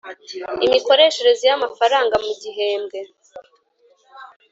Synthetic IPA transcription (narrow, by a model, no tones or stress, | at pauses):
imiko̞ɾe̞ʃe̞ɾe̞zijamafaɾaːŋɡamuɟiɦe̞ːmɡe̞